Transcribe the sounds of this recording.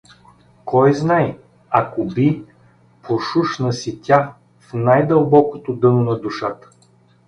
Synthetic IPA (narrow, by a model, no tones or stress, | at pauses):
kɔjznaj | akobi | poʃuʃnəsit̪ʲa | fnajd̪əlˠbɔkot̪od̪ɤnonɐd̪uʃat̪ə̥